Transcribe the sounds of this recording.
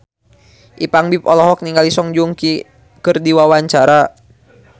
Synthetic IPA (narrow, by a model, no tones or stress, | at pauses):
ʔipaŋbipɔlɔɦɔk̚niŋɡalisɔŋd͡ʒuŋki | kɨrdiwawaɲt͡ʃaɾa